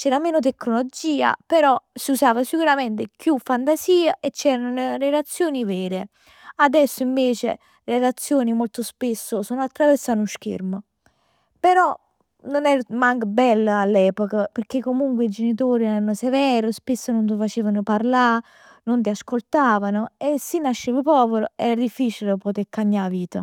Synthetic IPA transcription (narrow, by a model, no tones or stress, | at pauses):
t͡ʃɛːɾameːnot̪̬ekːnolod͡ʒiːa̰peɾɔsiusaːvasikuɾamɛnt̪̬ekjufːant̪asiːaʔet͡ʃːɛːɾannrelat̪sːjoːnivɛːɾe | ad̪ɛsːoiɱveːt͡ʃḛ | relat̪sːjoːnimolt̪ʊspesːosuːnoat̪ːɾaveɾsanuʃk̟ḛɾmə | peɾɔ | nonɛɾmaŋkəbɛlːəalːɛːpokapeɾk̟ekːomuŋkweid͡ʒenit̪oːɾiɛɾanosevɛːɾospesːənont̪̬ufat͡ʃeːvanʊpaɾla | nʊnt̪̬iaskolt̪aːvanʊesːinːaʃːeːvəpɔːveɾoɛɾad̪ifːiːt͡ʃilpot̪eɾkaɲːaviːt̪ə